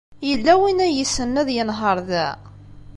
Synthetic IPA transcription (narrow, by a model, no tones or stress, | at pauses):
jəlːæwinæjəsənːæðjənɦəɾˤðæ̰